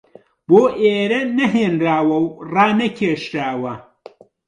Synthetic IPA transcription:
boːʔeːɾɐnɐɦeːnɾaːwɐwraːnɐkʲʰeːʃɾaːwɐ

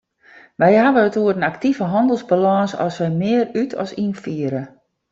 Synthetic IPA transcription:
ʋɛjɦaʋəətuəɾənaktivəɦɑndəlˠzbalɔsɔ̰sʋɛjmɪərytʰɔ̰sinfiəɾə

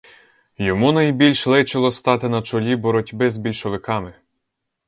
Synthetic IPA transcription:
jɔmunɐjbʲilʲʃlˠɪt͡ʃɪlˠɔst̪ɑt̪ɪnɐt͡ʃɔlʲibɔɾɔtʲbɪzbʲilʲʃɔʋɪkɑmɪ

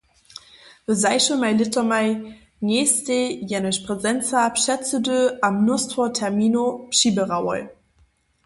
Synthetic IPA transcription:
vəzaɪʃəmaɪlɪtɐmaɪ | ŋeːstejɛnəʃpʁ̥ɛzɛnt͡sapʃɛt͡sədøamnuɐstʁotʰɛɐmiːnopʃibəʁawɔ̰l

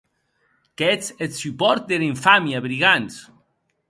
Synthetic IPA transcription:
kɛsetsypɔɾt̪̚d̪eliɱfamjaβɾiɣans

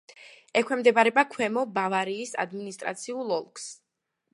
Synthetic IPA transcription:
ɛkʰwɛmd̪ɛbaɾɛbakʰwɛmɔbavaɾiːsa̰d̪minist̪ʼɾa̰t̪sʰiulˠɔlˠks

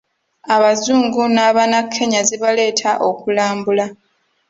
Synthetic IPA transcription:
aβazuːŋɡunaːβanakʰːe̞ɲaziβale̞ːtʰaʔokulaːmbula

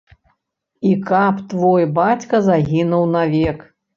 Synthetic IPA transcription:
ikapt̪vɔjbat͡sʲkɐzaɣʲinuwnavʲɛk

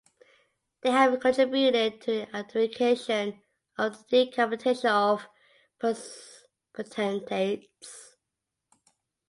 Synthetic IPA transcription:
ðeɪəvkʰə̃ntɹ̥ɪbjuɾɪd̚tʰəiʔatfɪkʰeɪʃə̃n | əvðədikʰapətʰeʃə̃nəv̥ | pʰəs | pʰətʰɛ̃ntʰet | s

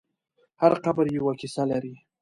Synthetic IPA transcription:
haɾqabɾjawakisalaɾi

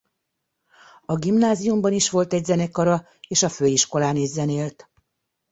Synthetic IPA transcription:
ɒɡimnaːzijumbɒniʃʋo̞lt̪ɛɟzɛnɛkɒɾɒ | eːʃɒføːiʃko̞laːned͡ʒzɛneːlt̪

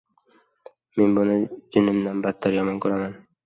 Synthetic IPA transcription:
me̞nbʊnɪd͡ʒʊnɪmd̪anbat̪ʰːaɾjɒmɒnkʰoɾaman

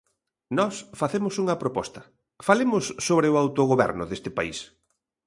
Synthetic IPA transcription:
nɔsfaθemʊsuŋɐpɾopɔst̪ɐ | falemʊsːoβɾɪʊawt̪oɣoβɛ̰ɾnʊðest̪ɪpaḭs

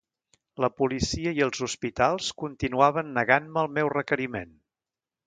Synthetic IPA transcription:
ləpulisiəiəlˠzuspit̪alˠskunt̪inuaβənːəɣanməːlˠmɛwrəkəɾimḛn

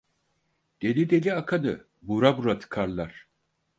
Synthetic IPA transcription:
d̪̥e̞nid̪e̞lʲiakʰanɯ | buɾabuɾat̪ʰɯ̥kʰaɾlˠaɾ̥

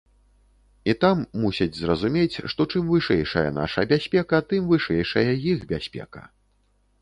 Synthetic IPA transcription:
it̪amːusʲid͡zʲzrɐzumʲet͡sʲʂt̪ɔt͡ʂɨmvɨʂɛjʂɐjɐ̰na̰ʂɐ̰bʲasʲpʲɛkɐt̪ɨmvɨʂɛjʂɐjɐjixbʲasʲpʲɛ̰kɐ̰

